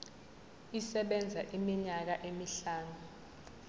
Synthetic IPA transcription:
isɛɓɛnd͡zʱaʔimiɲak̬aʔemiɬaːnu

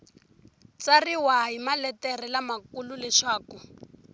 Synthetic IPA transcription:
t͡sariwaɦimalɛtɛrilamakululɛʃaːku

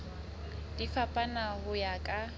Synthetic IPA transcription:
difapʼanahʊjakʼa

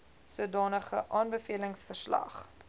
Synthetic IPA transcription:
suədɑːnəχəʔɑːnbəfiələŋsfərslɐ̰χ

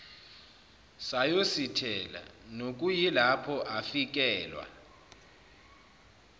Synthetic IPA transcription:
sajositʰɛla̰nok̬ʼujilapʰɔʔafik̬ɛːlwa̰

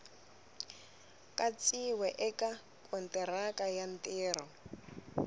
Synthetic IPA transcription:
kʼat͡siwɛʔɛkʼa | kʼɔntʼɛɾakʼajan̩tʼɪːɾɔ

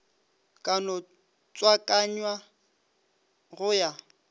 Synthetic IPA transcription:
kʼanɔ | t͡sʼwakʼaɲwa | ɣʊja

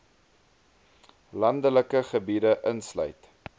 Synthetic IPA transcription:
lɐndələkəχəbidəʔənslœ̰jt

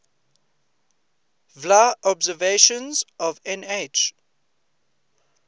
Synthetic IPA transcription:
vlaɔbzəveʃə̃nzɔvɛ̃net͡ʃ

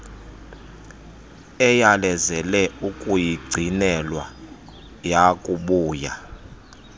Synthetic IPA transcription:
ɛjalɛzɛlɛukʼujiɡ͡ǀʱinɛlwa | jakʼuɓuːja̰

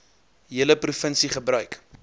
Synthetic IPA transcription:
ɦiələprufənsiχəbrœɥk

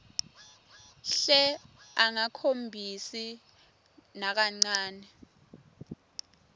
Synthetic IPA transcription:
ɬɛaŋakʰombʱisi | nak̬aŋ͡ǀaːnɛ

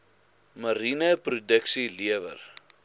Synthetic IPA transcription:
məɾinəprudəksiliəvə̰r

